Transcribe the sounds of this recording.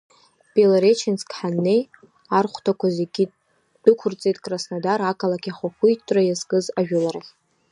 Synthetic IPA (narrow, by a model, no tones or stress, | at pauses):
pʼelaɾet͡ʃʰɪnsʰkħanːe̞j | arχʷtʰakʷʰazeɡʲi | d̥ɨkʷʰʊrt͡sʼejtʼkʼrasnadarakʰalakʲʰʼiχʷaχʷujtʼrajazkʼɨzaʒᶣʊlaɾaχʲ